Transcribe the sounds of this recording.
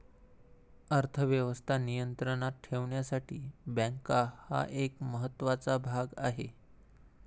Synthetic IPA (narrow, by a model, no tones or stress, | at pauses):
əɾt̪ʰəʋjəʋəst̪ʰanijənt̪ɾəɳat̪̚ʈʰeʋɳjasaʈiːbə̃ŋkaha̰ʔekməɦət̪ːʋat͡sabʱaɡa̰ɦe